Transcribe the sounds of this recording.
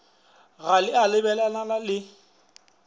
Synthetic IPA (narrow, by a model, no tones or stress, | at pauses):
ɣalɪʔalɪbɛlalalalɪ